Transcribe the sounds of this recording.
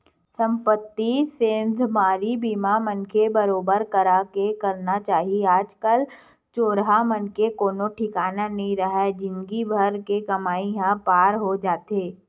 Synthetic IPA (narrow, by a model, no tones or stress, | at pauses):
sɐ̃mpət̪ːisẽːnd̪ʱmaːɾibiːmamənkʰebɐɾoːbəɾkɐɾaːkekɐɾnat͡ʃaːɦieaːd͡ʒkəl | t͡ʃoːɾɦamɐnkekoːnõʈʰɪkaːnanɐɦĩɾɐɦɛd͡ʒɪ̃nɡibʱɐɾkekɐmaːiɦãpaːɾɦod͡ʒaːt̪eː